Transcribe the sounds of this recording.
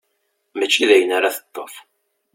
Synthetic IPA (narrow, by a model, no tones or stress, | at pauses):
mæt͡ʃːiðæjənaɾaθə̥t̪ˤːof